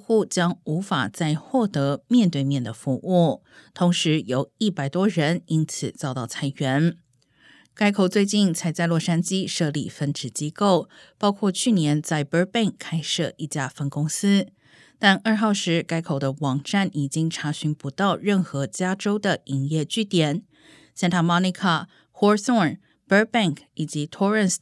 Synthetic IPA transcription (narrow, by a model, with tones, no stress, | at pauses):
xu˥˩t͡ɕjɑ˥ŋu˧˥fa̰˨˩t͡sa˥˧ɪxwɔ˥˩t̪ɤ˧˥mjɛ˥˧nt̪we˥˧ɪmjɛ˥˩nd̪ə˩fu˧˥ʔu˥˩ | t̪ʰʊ˧˥ŋʂɻ̩˧˥jo˨˩ʊi˥˩pa˨˩ɪt̪wɔ˥ɻə˧˥ni˥nt͡sʰɹ̩˨˩t͡sɑ˥˧ʊt̪ɑ˥˩ʊt͡sʰa˧˥ɪɥɛ˧˥n | ka˥ɪkʰo˨˩ʊt͡swe˥˧ɪt͡ɕi˥˩nt͡sʰa˧˥ɪt͡sa˥˧ɪlwɔ˥˩ʂa˥nt͡ɕi˥ʂɤ˥˧lḭ˥˩fə˥nʈ͡ʂɻ̩˨˩t͡ɕi˥ko˥˩ʊ | pɑ˥ʊkʰwɔ˥˧t͡ɕʰy˥˩njɛ˧˥nt͡sa˥˩ɪpə˥pɛ˥˩ŋkʰːa˥ɪʂɤ˥˧ʔi˥˩t͡ɕja˥˩fə˥˩nkʊ˥ŋsɹ̩˥ | t̪a˥˧nə˞˥˧xɑ˥˩ʊʂɻ̩˧˥ka˥ɪkʰo˨˩ʊd̪ə˦wɑ˨˩ŋʈ͡ʂa˥˩ni˨˩t͡ɕi˥ŋʈ͡ʂʰa˧˥ɕy˧˥ŋpu˧˥t̪ɑ˥˧ʊɻə˥˩nxɤ˧˥t͡ɕja˥ʈ͡ʂo˥ʊd̪ə˨i˧˥ŋjɛ˥˧t͡ɕy˥˩t̪jɛ˨˩˦n | ɕjɛ˥˧nt̪ʰa˥mɔ˥ni˧kʰa˥˩ | xɔ˥sɔ˥˩˨ | pə˥pɛ˥˩ŋkʰi˨˩t͡ɕi˧˥t̪ʰɔ˥ɹə˥˨ns